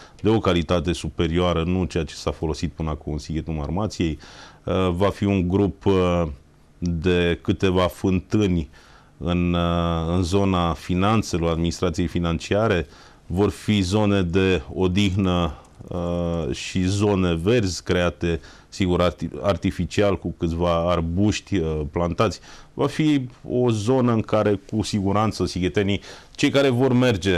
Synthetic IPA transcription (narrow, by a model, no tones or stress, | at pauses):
d̪e̞o̞kalit̪at̪e̞supe̞ɾioaɾənut͡ʃe̞jat͡ʃe̞̥safo̞lo̞sit̪̚pɨnəakonnsiɡʲet̪uma̰rmat̪sije̞j | vafiuŋɡɾup | d̪e̞kɨt̪e̞vafɨnt̪ɨnʲ | ɨnɨnzo̞nafinant̪se̞lo̞ɾad̪minist̪ɾat̪sije̞jfinant͡ʃiaɾe̞ | vo̞rfizo̞ne̞d̪e̞o̞d̪ixnə | ʃizo̞ne̞ve̞rzʲkɾe̞at̪e̞ | siɡuɾaart̪ifit͡ʃialkukɨt̪ʲvaːrbuʃt̪ʲplant̪at̪sʲvafio̞̰zo̞nəɨŋkaɾe̞kusiɡuɾant̪səsiɡet̪enit͡ʃe̞jkaɾe̞vo̞rme̞rd͡ʒe̞